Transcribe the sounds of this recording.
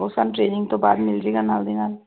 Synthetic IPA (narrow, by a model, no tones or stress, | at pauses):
osanʈɾeːnɪ̃ŋɡt̪oba̰ːd̪mɪlɾiɡanaːld̪inaːl